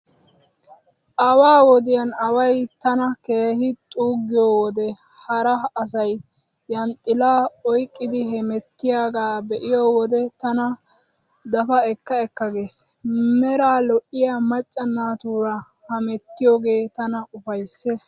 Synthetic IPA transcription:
ʔɐwaːwɔd̪ɪjɐnɐwɐjt̪ɐnɐkeːhɪt̪ʼuːɡːɪjɔwɔd̪ɛhɐɾɐɐsɐj | jɐnt̪ʼːɪlaːɔjkʼːɪd̪ɪɦɛmɛt̪ːɪjaːɡaːbɛʔɪjɔwɔd̪ɛt̪ɐnɐ | d̪ɐfɐɛkːɐɛkːɐɡe̞ːsmɛɾaːlɔʔɪjamɐt͡ʃʼːɐnːaːt̪uːɾɐ | hɐmɛt̪ːɪjoːɡe̞ːt̪ɐnɐʊfɐjsːe̞ːs

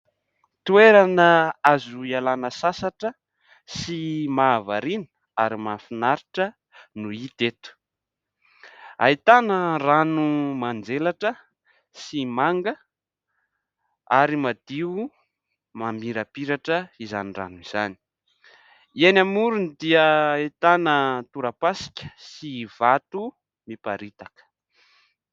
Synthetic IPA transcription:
t̪ueɾanəazuialanəsasaʈ͡ʂə | simaːvaɾinə | aɾimafinaɾiʈ͡ʂə | nuit̪et̪u̥ | a̰it̪anəranumand͡zelaʈ͡ʂə | simaŋɡə | aɾimad̪̥iu | mambiɾapiɾaʈ͡ʂəizanira̰nuiz̥ani̥ | ienamuɾunid̪iəit̪anət̪uɾapasi̥kʲə̥sivat̪u | mipaɾit̪akə̥

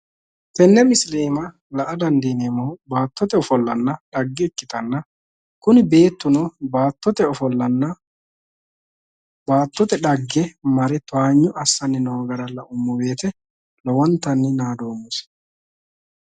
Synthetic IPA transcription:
t̪ɛnːɛmɪsleːmɐ | lɐʔɐd̪ɐnd̪iːnemoːbaːt̪ːɔt̪ɛɔfɔlːɐnːɐᶑɐɡːɛːkːɪt̪ɐnːɐ | kʊnɪbe̞ːt̪ːʊnɔbaːt̪ːɔt̪ɛɔfɔlːɐnɐ | baːt̪ːɔt̪ɛᶑɐɡːɛmɐɾɛt̪ʊaːɲːʊʔɐsːɐnːɪnoːɡɐɾɐlːɐʔʊmːʊwe̞ːt̪ɛ | lɔwɔnt̪ːɐnːɪnaːd̪oːmːʊs

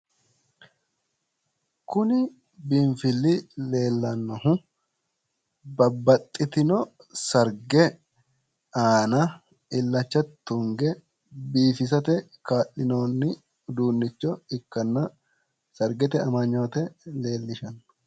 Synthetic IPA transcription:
kʊnɪ | bɪɱfɪlːɪle̞ːlːɐnːɔhʊ | bɐbːɐt̪ʼːɪt̪ɪnɔ | sɐɾɡɛ | aːnɐ | ɪlːɐt͡ʃːɐt̪ːʊŋɡɛ | biːfɪs̬ɐt̪ɛ | kaːʔɪno̞ːnːɪ | d̪uːnːɪt͡ʃːɔɪkːɐnːɐ | sɐɾɡɛt̪ɛɐmɐɲːo̞ːt̪ɛle̞ːlːɪʃɐn

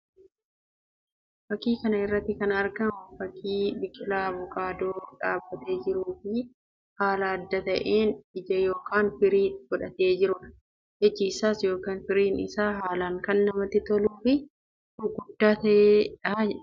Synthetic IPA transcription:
fɐkːiːkɐnɐɪrːɐt̪ːɪkɐnɐɾɡɐmʊfɐkʰːiːbɪkʼɪlaːbʊkʼaːd̪oːᶑaːbːɐt̪e̞ːd͡ʒɪɾuːfɪ | haːlaːd̪ːɐt̪ɐʔeːnɪd͡ʒɐjoːkʰaːnfɪɾiːfɔᶑɐt̪eːd͡ʒɪɾʊᶑɐ | ʔɛd͡ʒːɪɪsaːsjo̞ːkaːnfɪɾiːnɪsaːɦaːlaːŋkɐnːɐmɐt̪ːɪt̪ɔluːfɪ | ʊɡʊd̪ːaːt̪ɐʔeːᶑɐ

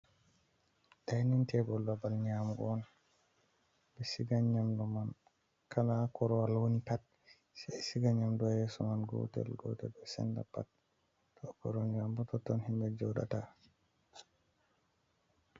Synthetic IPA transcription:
dajnintʰɛbɔlbabalɲamɡɔɔn | bɛsiɡaɲamdɔman | kʰalakʰɔɾɔwalwonitat̚ | sɛsiɡaɲamdɔjɛsɔmanɡɔ̰tɛ̰lɡɔ̰tɛ̰bɔsɛ̰nda̰pa̰t̚ː | ɔkɔɾɔnd͡ʒambɔtɔtːɔnhimbɛd͡ʒɔɗa̰ta

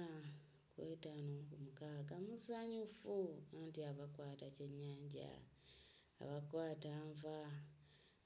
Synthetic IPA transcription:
kweːtanoːkumukaɡamuzaɲufuantiaβakwaːtace̞ɲːaːɲɟa̰ː | βakwaːtaːɱva

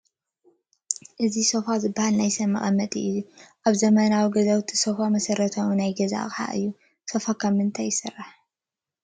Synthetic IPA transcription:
ʔɨziso̞fazɨbːahalnajsɐmːɐ̰χʼɐmːɐt̪ʼiʔɨjuʔaβzɐmɐnawiɡɐzawt̪ʰi̥so̞famɐsɐɾɐt̪ʰɐwunajɡɐza̰ɣʼħa̰ʔɨ̰jːu | so̞fakʰɐmːɨnt̪ʰajːɪsɨrːaħ

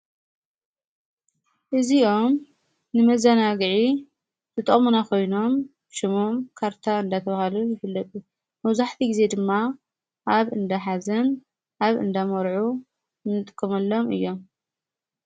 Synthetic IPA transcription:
ʔɨziʔo̞m | nɨmɐzɐnaɡɨʕi | t̪ʰɨt̪ʼɐʔʼmunakʰo̞jno̞mbʃɨmomkʰaɾt̪ʰaɨnd̪at̪ʰɐβahalujɪfɨlːɐt̪ʼu | mɐwzaħt̪ʰiɡize̞d̪ɨmːa | ʔaβɨnd̪aħazɐn | ʔaβɨ̰nd̪amɐɾʕu | nɨt̪ʼɨkʼːɐmɐlːo̞mɨ̰jːo̞m

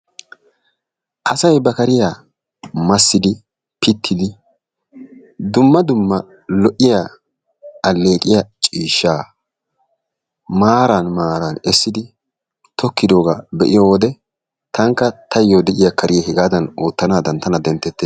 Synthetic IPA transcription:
ʔɐsɐjbɐkɐɾɪja | mɐsːɪd̪ɪ | pɪt̪ʰːɪd̪ɪ | d̪ʊmːɐd̪ʊmːɐ | lɔʔːɪjaː | ɐlːe̞ːkʼɪjat͡ʃʼiːʃːaː | maːɾanmaːɾanɛsːɪd̪ɪ | t̪ʰɔkːɪd̪o̞ːɡabɛʔɪjowɔd̪ɛ | t̪ɐŋkːɐt̪ʰɐjːoːd̪ɛʔɪjakʰɐɾʔɪjahɪɡaːd̪ɐnoːt̪ːɐnaːd̪ɐnt̪ɐnɐd̪ɛnt̪ːɛt̪ːeː

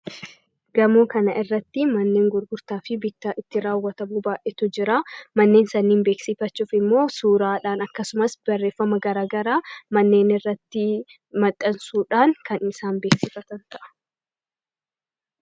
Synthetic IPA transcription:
ɡ̥ɐmoːkɐnɐʔɪrːɐt̪ːɪmɐnːe̞ːŋɡʊɾɡʊɾt̪aːfɪbɪt̪ːaʔɪt̪ːɪɾaːwːɐt̪ɐmuːbaːʔɛt̪ʊd͡ʒɪɾamɐnːe̞ːnsɐnːiːmbe̞ːksɪfɐt͡ʃːuːfɪmːo̞ːsuːɾaːᶑaːnɐkːɐsʊmɐsb̥ɐrːeːfːɐmɐɡɐɾaːɡɐɾaːmɐnːe̞ːnɪrːɐt̪ːɪ | mɐt̪ʼːɐnsuːᶑaːŋkɐnɪsaːnbeːksɪfɐt̪ɐnt̪ɐʔɐ̥

